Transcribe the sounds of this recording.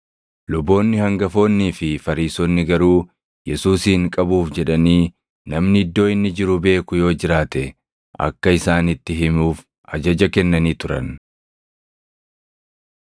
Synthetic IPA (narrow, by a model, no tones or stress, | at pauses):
lʊbːo̞ːnːɪhɐŋɡɐfo̞ːnːiːfɪfɐɾiːsɔnːɪɡɐɾuː | jɛsuːsiːŋkʼɐbuːfd͡ʒɛᶑɐniː | nɐmnɪɪd̪ːo̞ːɪnːɪd͡ʒɪɾʊbe̞ːkʊjo̞ːd͡ʒɪɾaːt̪ɛ | ʔɐ̰kːɐɪsaːnɪt̪ːɪɦɪmuːf | ʔɐd͡ʒɐd͡ʒɐkɛnːɐniːt̪ʊɾɐ̰n